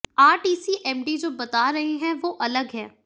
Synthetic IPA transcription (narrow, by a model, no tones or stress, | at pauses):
aːɾʈiːsiʔɛːmɖid͡ʒoːbɐt̪aɾɐɦeɦɛ̃ʋoːʔɐləɡɦɛ̃ː